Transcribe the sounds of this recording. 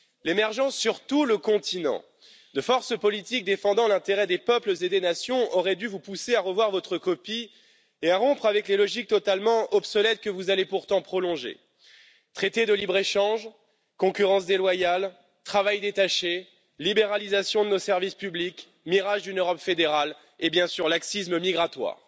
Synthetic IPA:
lemɛʁʒɑ̃sːyʁt̪uləkɔ̃t̪inɑ̰̃ | d̪əfɔʁsəpɔlit̪ik̚d̪efɑ̃d̪ɑ̃lɛ̃t̪eʁɛd̪epœpləzed̪enasjɔ̃ʔɔʁɛd̪yvupuseaʁəvwaʁvɔt̪χəkɔpi | eaʁɔ̃pχavɛklelɔʒik̚t̪ɔt̪almɑ̃ʔɔpsɔlɛt̪̚kəvuzalepuʁt̪ɑ̃pχɔlɔ̃ʒḛ | t̪χet̪ed̪əlibʁeʃɑ̃ʒ | kɔ̃kʲyʁɑ̃s̬d̪elwajal | t̪χavajd̪et̪aʃe | libeʁalizasjɔ̃d̪ənosɛʁvispyblik | miʁaʒd̪ynøʁɔpfed̪eʁal | ebjɛ̃syʁlaksisməmiɡʁat̪wa̰ːʁ

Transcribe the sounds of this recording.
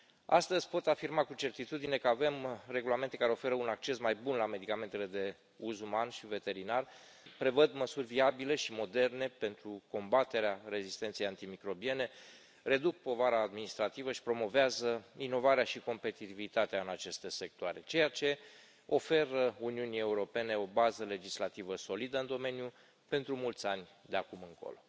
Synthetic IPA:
a̰st̪əzʲpo̞t̪afirmakut͡ʃe̞rt̪it̪ud̪ine̞kəave̞mre̞ɡulame̞nt̪e̞kaɾeo̞fe̞ɾəunak̚t͡ʃe̞smajbunlame̞d̪ikament̪e̞le̞d̪e̞ | uzumanʃive̞t̪e̞ɾinar | pɾe̞vəd̪məsurʲviabile̞ʃimo̞d̪e̞rne̞pe̞nt̪ɾuko̞mbat̪e̞ɾeaɾe̞zist̪ent̪siejant̪imikɾo̞bie̞ne̞ | re̞d̪uk̚po̞vaɾaːd̪minist̪ɾat̪ivəʃi̥pɾo̞mo̞veazəino̞vaɾeaʃiko̞mpe̞t̪it̪ivit̪at̪eaɨnat͡ʃe̞st̪e̞se̞k̚t̪oaɾe̞t͡ʃe̞jat͡ʃe̞ | o̞fe̞ɾəuniunie̞uɾo̞pe̞ne̞o̞bazəle̞d͡ʒislat̪ivəso̞lid̪əɨnd̪o̞me̞nju | pe̞nt̪ɾumult̪sʲanʲd̪eakumɨŋko̞̰lo̞

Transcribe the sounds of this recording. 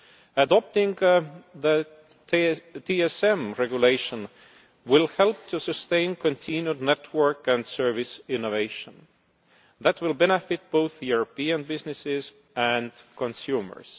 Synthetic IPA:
ədɑp̚t̪ɪ̃ŋɡðə | t̪ʰiɛsẽmɹeɡjuleɪʃə̃n | wɪlhelp̚t̪ʰusɨstẽɪ̃nkʰõnt̪ʰĩnjudnetʰwə˞kæ̃nd̥sɜ˞vɪsɪ̃noveɪʃə̃n | ðæt̪ʰwɪlbenefɪt̪̚b̥oʊθjuɹopiə̃nbɪznɪsɪz | ʔæ̃ndkʰõnsjuːmə̰˞s

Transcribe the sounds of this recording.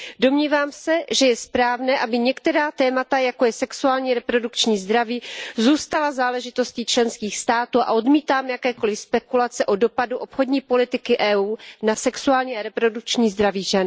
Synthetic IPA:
do̞mɲiːvaːmsɛʒɛjɛspɾaːvnɛːʔabɪɲɛkt̪ɛɾaːt̪ɛːmat̪ajako̞jɛsɛksuaːlɲiːɾɛpɾo̞dukt͡ʃɲiːzd̪ɾaviːzuːst̪alazaːlɛʒɪt̪o̞sciːt͡ʃlɛnskiːxst̪aːt̪uːʔa̰ʔo̞dmiːt̪aːmjakɛːko̞lɪfspɛkulat͡sɛʔo̞do̞paduʔo̞pxo̞dɲiːpo̞lɪt̪ɪkɪʔɛːuːnasɛksuaːlɲiːaɾɛpɾo̞duk̚t͡ʃɲiːzd̪ɾaviːʒɛn

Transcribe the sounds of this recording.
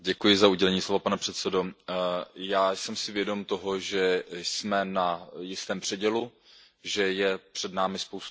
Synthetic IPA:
ɟɛkujɪzauɟɛlɛɲiːslovapanɛpr̥ɛt̪sɛdo̞ | jaːsɛmsɪvjɛdo̞mt̪o̞ɦo̞ʒɛsmɛnajɪst̪ɛːmpr̝̥ɛɟɛlu | ʒɛjɛpr̝̥ɛdnaːmɪspowst̪

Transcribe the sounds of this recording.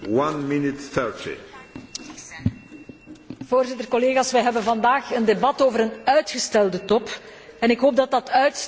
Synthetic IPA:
wãnmɪnɪtθɛɹtʰḭ | v̥oːrzɪtərkɔleːɣaːsʋɛjɦɛbənvɑndaːxəndebɑtoːvəɾənœɥtxəstɛlˠdətɔpɛnɪkɦoːp̚dɑtdɑtœɥt

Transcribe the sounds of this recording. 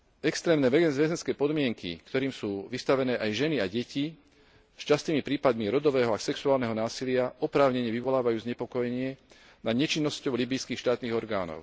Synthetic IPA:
ɛkst̪ɾɛːmnɛʋɛɡɛnzʋɛzɛnskɛːpɔd̪mɪɛŋkḭkt̪ɔɾiːmsuːʋist̪aʋɛnɛːʔajʒɛniaɟɛci | st͡ʃast̪iːmipɾiːpad̪miɾɔd̪ɔʋɛːɦɔasɛksuaːlnɛɦɔnaːsilɪaɔpɾaːʊɲɛɲɛʋiʋɔlaːʋajuːzɲɛpɔkɔjɛɲɪɛ | naɲɛt͡ʃinːɔscɔʊlibijskiːxʃt̪aːt̪niːɣɔɾɡa̰ːnɔ̰ʊ

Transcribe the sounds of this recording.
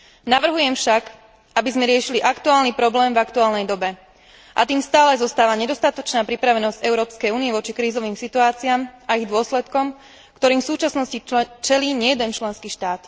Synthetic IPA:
naʋr̩ɦujɛmfʃak | ʔabizmɛɾɪɛʃiliʔakt̪uaːlnipɾɔblɛːmvakt̪uaːlnɛjd̪ɔbɛ | ʔa̰t̪iːmst̪aːlɛzɔst̪aːʋaɲɛd̪ɔst̪at̪ɔt͡ʃnaːpɾipɾaʋɛnɔzɟɛʊɾɔːpskɛjuːniɛʋɔt͡ʃikɾiːzɔʋiːmsit̪uaːt͡siaːmaiɣd̪ʊɔslɛt̪kɔm | kt̪ɔɾiːmfsuːt͡ʃasnɔscit͡ʃɛliːɲɪɛjɛd̪ɛnt͡ʃlɛnskiːʃt̪aːt̪

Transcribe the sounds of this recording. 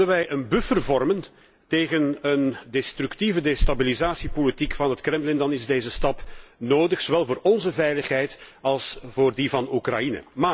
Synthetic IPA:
ənʋɛjənbʏfərvɔrmən | teːɣənəndɛstɾyktivədestabilizaːsipolitikfɑnɦətkrɛmlɪndɑnɪzdeːzəstɑpnoːdəxsoːʋɛlˠvoːrɔnzəvɛjləxɦɛjtɑlˠsv̥oːrdivɑnukra̰jinə̰maː

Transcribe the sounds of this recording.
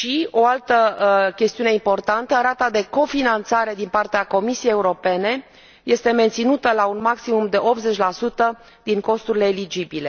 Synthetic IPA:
ʃio̞alt̪əkʲe̞st̪iuneimpo̞rt̪ant̪əɾat̪ad̪e̞ko̞finant̪saɾe̞d̪inpart̪eako̞misiejeuɾo̞pe̞ne̞ | je̞st̪e̞me̞nt̪sinut̪əlaunmaksimumd̪e̞ʔo̞p̪̚ze̞t͡ʃʲlasut̪ə | d̪̥iŋko̞st̪uɾile̞ːlid͡ʒibile̞

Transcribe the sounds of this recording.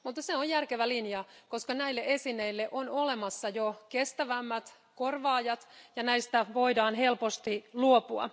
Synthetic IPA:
mut̪ːɑseojjærkeʋælinjɑkoskɑnæilːeʔesinːˑeilːeʔonolemɑsːɑjokest̪æʋæmːæt̪ | korʋɑːjɑt̪jɑnæist̪æʋoidɑːnɦelpost̪iluopuɑ̰

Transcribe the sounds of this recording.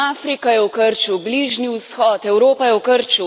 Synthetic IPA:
aːfɾikajɛwkəɾt͡ʃubliʒniwsxɔt̪ɛwɾoːpajɛwkəɾt͡ʃu

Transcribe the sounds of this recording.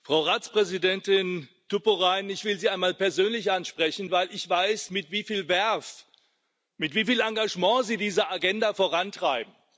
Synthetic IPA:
fʁ̥aʊʁaːt͡spʁ̥ɛzidɛntɪn | tupoʁaɪnɪçv̥ɪlziːaɪnmaːlpɛɐzøːnlɪçʔanʃpʁ̥ɛçn̩vaɪlʔɪçv̥aɪsmɪtv̥iːfiːlvɛɐf | mɪtv̥iːfiːlaŋɡaʒmɑ̃ːziːdiːzɐaɡɛndafoʁantʁ̥aɪbm̩

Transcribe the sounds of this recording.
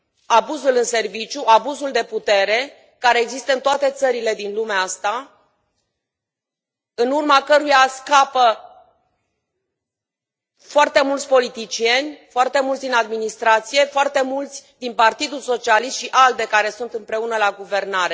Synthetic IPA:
abuzulɨnse̞rvit͡ʃjuabuzuld̪e̞put̪e̞ɾe̞ | kaɾe̞ːɡzist̪əɨnt̪oat̪e̞t̪səɾile̞d̪inlumeaast̪a | ɨnurmakəɾujaskapə | foart̪e̞mult̪sʲpo̞lit̪it͡ʃie̞nʲfoart̪e̞mult̪sd̪inad̪minist̪ɾat̪sije̞foart̪e̞mult̪sʲd̪inpart̪id̪ulso̞t͡ʃialist̪ʃiʔald̪e̞kaɾe̞sunt̪ɨmpɾe̞unəlaɡuve̞rnaɾe̞

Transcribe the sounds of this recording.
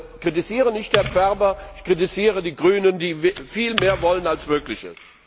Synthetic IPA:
kʁ̥itiziːʁənɪçt̚d̥eːɐp͡fɛʁbɐɪçkʁ̥itiziːʁədiːɡʁyːnəndiːvfiːlmeːɐvɔlənalsmøːklɪçə̰s

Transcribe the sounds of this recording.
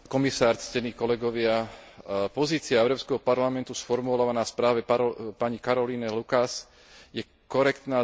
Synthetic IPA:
kɔmisaːɾt͡scɛniːkɔlɛɡɔʋɪa | pɔziːt͡sɪaɛʊɾɔːpskɛɦɔpaɾlamɛnt̪usfɔɾmulaʋanaspɾaːʋɛpapaɲikaɾɔliːnɛlukas | jɛ | kɔɾɛkt̪naː

